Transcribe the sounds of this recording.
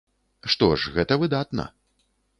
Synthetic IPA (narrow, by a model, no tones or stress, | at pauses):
ʂt̪ɔʂɣɛt̪ɐvɨd̪at̪nɐ̰